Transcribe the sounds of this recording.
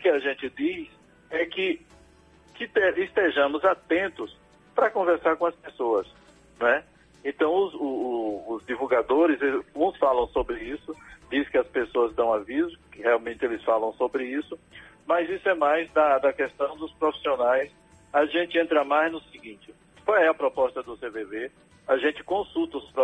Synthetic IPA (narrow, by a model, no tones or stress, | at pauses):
ʊkɪaʒẽnt͡ʃ̪ɪd̪is | ɛkɪ | kɪt̪eɪst̪eʒɐ̃mʊzat̪ẽnt̪ʊs | pɾɐkõvɛɾsaɾkõɐspesoɐs | nɛ | ẽt̪ɐ̃w̃ʊzʊːzd̪ivuɡad̪oɾɪzeũsfalɐ̃w̃sobɾɪisʊd͡ʒ̪iskɪɐspesoɐzd̪ɐ̃w̃avizʊkɪheawmẽnt̪ɪelɪsfalɐ̃w̃sobɾɪisʊ | mɐzisʊɛmajzd̪ɐd̪ɐkɛst̪ɐ̃w̃d̪ʊspɾofi̥sionajs | aʒẽnt͡ʃɪẽnt̪ɾamajznʊsiɡĩt͡ʃɪ | kwawɛɐpɾɔpɔst̪ɐd̪ʊseveve | aʒẽt͡ʃɪ̥kõsut̪ɐʊspɾɔ